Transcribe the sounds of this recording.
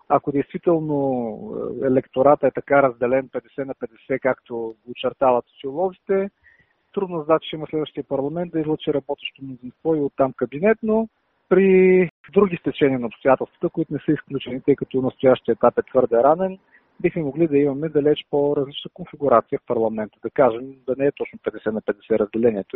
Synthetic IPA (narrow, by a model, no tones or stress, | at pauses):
ɐkod̪ɛjst̪vit̪ɛlˠno̰ | ɛlɛkt̪oɾat̪əɛt̪ɐkaɾɐzd̪ɛlɛnpɛd̪ɛsɛnɐpɛd̪ɛsɛkakt̪oɡːt͡ʃɛɾt̪avɐt̪st̪iʊlˠɔzit̪ɛ | t̪ɾud̪noɛzd̪at̪t͡ʃɛiməslɛd̪vəʃt̪ijəpɐɾlˠɐmɛnt̪d̪ɐizlˠot͡ʃiɾɐbɔt̪ɛ̥ʃt̪omnod̪zinst̪vɔiot̪ːamkɐbinɛt̪no | pɾi | d̪ɾuɡʲist̪ɛt͡ʃɛniənɐopst̪oʊjat̪ɛlˠst̪v̥ət̪əkʊit̪ʊnɛsɤisklʲut͡ʃɛnit̪ɤjkɐt̪ɔnɐst̪ʊjaʃt̪iəɛt̪apɛt̪vɤɾd̪ɛɾanɛn | bixmɛmoɡlid̪ɐimɐmɛd̪ɐlɛt͡ʃpoɾɐzlit͡ʃnəkonfiɡuɾat̪siəfpɐɾlˠɐmɛnt̪əd̪ɐkaʒɛmd̪ɐnɛɛt̪ɔt͡ʃnʊpɛd̪ɛsɛnɐpɛd̪ɛsɛɾɐzd̪ɛlɛniɛt̪o